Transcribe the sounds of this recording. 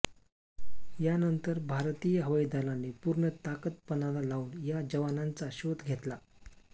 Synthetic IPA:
janənt̪əɾbʱaɾt̪ijəɦəʋəjd̪ʱalanːepuɾɳət̪akət̪̚pənalalauːnjad͡ʑəʋanant͡saɕot̪ɡʱet̪la

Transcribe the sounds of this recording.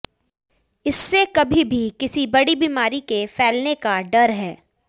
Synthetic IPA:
ɪsːekɐbʱibʱikɪsibɐɽibiːmaːɾikefʰɛːlnekaɖɐɾɦɛː

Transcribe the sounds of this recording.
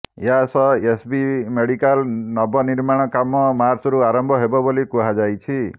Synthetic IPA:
easɔesbimeɽikalnɔbɔniɾmaɽ̃ɔkamɔmaɾt͡ʃɔɾuaɾɔmbʱɔɦebɔbolikuɦad͡ʒajt͡ʃʰi

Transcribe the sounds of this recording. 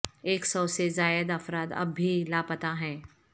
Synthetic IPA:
eːksɔːsezaːjəd̪ɐfɾaːt̪ɐ̰bːʱilaːpət̪aɦɛ̃ː

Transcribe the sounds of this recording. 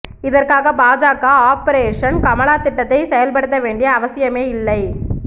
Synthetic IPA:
ɪðɐrkaːɣɐbaːd͡ʒaːkaːaːpɐɾeːʂɐnkɐmɐɭaːt̪ɪʈːɐt̪ːɐɪsɛjɐlpɐɽɯt̪ːɐʋeːɳɖɪjɐːʋɐsɪjɐmeːɪlːɐɪ

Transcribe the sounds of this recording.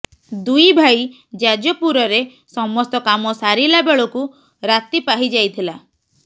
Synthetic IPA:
d̪ujbʱaj | d͡ʒad͡ʒɔpuɾɔɾe | sɔmɔst̪ɔkamɔsaɾilabeɭɔku | ɾat̪ipaɦid͡ʒajt̪ʰila

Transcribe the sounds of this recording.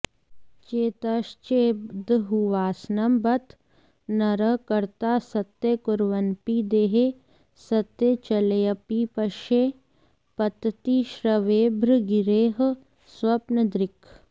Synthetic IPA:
t͡ʃeːt̪ɐʃt͡ʃeːd̪ɦuʋaːsnɐmbɐt̪ | nɐɾəkɐɾt̪aːsɐt̪ːekʊɾʋɐnpid̪eːɦe | sɐt̪ːet͡ʃɐlejɐpipɐʃeː | pɐt̪t̪iʃɾɐʋeːbʱɾɡɪɾeːɦ | swɐpnəd̪ɾɪkʰ

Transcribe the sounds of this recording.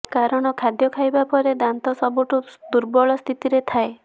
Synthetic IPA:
kaɾɔɽ̃ɔkʰad̪jɔkʰajbapɔɾed̪ant̪ɔsɔbuʈud̪uɾbɔɭɔst̪ʰit̪iɾet̪ʰae

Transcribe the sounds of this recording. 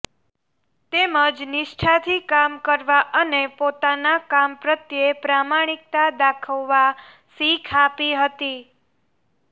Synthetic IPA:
t̪eməd͡ʒnɪʃʈʰat̪ʰikamkəɾʋaʔənepot̪anakampɾət̪jepɾamaɽ̃ik̚t̪ad̪akʰəʋːa | sikʰapiɦət̪i

